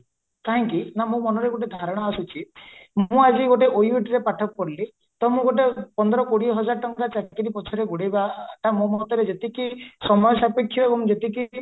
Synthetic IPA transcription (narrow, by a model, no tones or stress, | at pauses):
kaɦĩŋkinamũmɔnɔɾeɡoʈ̬ed̪ʱaɾɔɽ̃ɔasut͡ʃʰimũad͡ʒiɡoʈ̬eʔojwiʈɾepaʈʰɔkɔkɔɾli | t̪ɔmũɡoʈ̬epɔnd̪ɔɾɔkoɽiɦɔd͡ʒaɾʈɔŋkat͡ʃakiɾipɔt͡ʃʰɔɾeɡuɽebaʈamũmɔt̪ɔɾed͡ʒet̪ikisɔmɔjsapekʰːjɔebɔŋd͡ʒet̪iki